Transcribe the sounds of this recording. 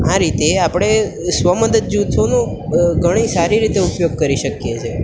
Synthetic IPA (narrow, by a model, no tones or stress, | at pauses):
aɾit̪eapɽ̃e | sʋəməd̪əd̪̚d͡ʒut̪ʰonũ | ɡʱəɽ̃isaɾiɾit̪eupjoɡ̚kəɾiʃəkjet͡ʃʰe